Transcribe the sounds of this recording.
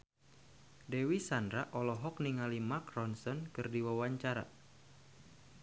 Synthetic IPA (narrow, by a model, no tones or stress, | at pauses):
dewisandɾaʔɔlɔɦɔkniŋalimakrɔnsɔnkɨrdiwawaɲt͡ʃaɾa̰